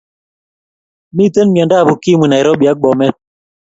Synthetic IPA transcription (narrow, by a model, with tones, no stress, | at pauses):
mi˦tə˦nm˨a˨nda˦˨bu˨ki˦mwi˨na˨i˨ɾɔ˦ɓja˨˦k̚ɡ͡bɔ˨mɛ˦